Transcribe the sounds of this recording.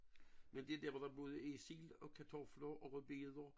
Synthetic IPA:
mend̥eæd̥æɐ̰ʋɒd̥ɑ̈b̥oːðˠəesilɒ̽kʰæt͡sʰɒflɐʔɒ̽ʁøbe̝ðˠɐ

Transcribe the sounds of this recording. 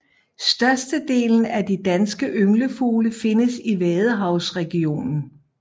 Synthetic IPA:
sd̥ɶɐsd̥əd̥e̝̰ːln̩æd̥id̥ænsɡ̥əʔøŋləfo̝ːləfe̝nəsiʋɛːð̞ˠəɦɑ̈ʊsʁɛɡ̥io̝̰ːnn̩

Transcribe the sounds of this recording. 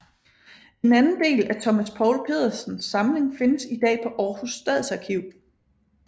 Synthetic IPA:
e̝nænn̩d̥e̝̰ːlæt͡sʰɒ̽mæspʰɒ̰ʊlpʰe̝̰ːð̰ˠɐsn̩sːɑ̈mle̝ŋfe̝nəsid̥ɛ̰ːpʰɒ̽ʔɒːhusd̥ɛð̰ˠsɑ̈kʰiʊ̰

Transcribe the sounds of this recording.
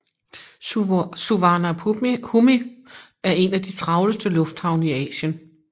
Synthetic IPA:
suʋɑ̈næhumi | æɐe̝næd̥it͡sʰʁɑ̈ʊləsd̥əlɔ̽fd̥hɑ̈ʊnəiɛ̰ːɕən

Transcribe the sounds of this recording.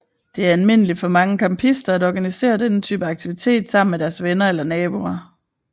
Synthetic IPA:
d̥e̝æɐælme̝n̰əlid̥fɒ̽mɑ̈ŋəkʰɑ̈mpʰisd̥ɐædɒɡ̥ænise̝̰ːɐd̥enət͡sʰyːb̥əɑ̈ɡ̥̚t͡sʰiʋit͡sʰe̝̰ːd̥sɑ̈m̰n̩med̥æɐsʋenɐelɐnɛːb̥uɐ

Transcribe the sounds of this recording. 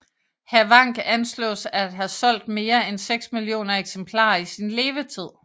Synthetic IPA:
hæʋɑ̈ŋ̰ɡ̥ænslɔ̰ːsæd̥ɦæsɒ̽l̰d̥̚me̝ːɐenseɡ̥smiljo̝̰ːnɐeɡ̥sempʰlɑ̰̈ːisinle̝ːʋət͡sʰið̞̰ˠ

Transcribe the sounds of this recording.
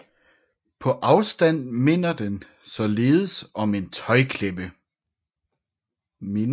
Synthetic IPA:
pʰɒ̽ʔɑ̈ʊsd̥æn̰me̝n̰ɐd̥en | sɒ̽le̝ːð̩ˠəsɒ̽me̝nt͡sʰɒ̽ɪkʰleb̥ə | me

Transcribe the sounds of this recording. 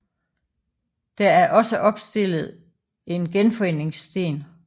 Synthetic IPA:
d̥ææɐʔɒ̽səʔɒ̽b̥sd̥e̝l̰ð̞̩ˠ | e̝nɡ̥enfɒ̽e̝ne̝ŋsd̥e̝̰ːn

